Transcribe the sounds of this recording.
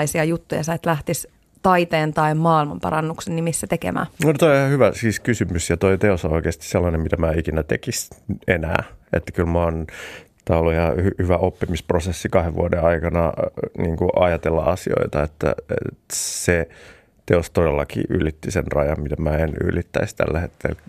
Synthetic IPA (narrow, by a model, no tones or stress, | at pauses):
isiɑjut̪ːujɑ̰sɑit̪læht̪is | t̪ɑit̪eːnt̪ɑimmɑːilmɑmpɑ̰ɾɑnːuksenːimisːæt̪ekḛmæ̰ːnot̪oiihɑhyʋæsiːskysymysjɑt̪oit̪eosoikeːst̪i̥sselːɑnemmit̪æmæːikinæt̪ekisenæ̰ːḛt̪ːæ̥kylmoːnt̪æːolːuihɑhyhyʋæʔopːimisprosesːikɑheʋʋṵodeɑikɑnɑ̰niːŋkuʔɑjɑt̪elːɑ̰ʔɑsio̰it̪ɑet̪ːæ̰ḛt̪se | t̪eost̪odelːɑkḭːʔylit̪ːisenrɑjɑmmit̪æmæːeny̰lit̪ːæist̪æ̰lːæhet̪ːḛl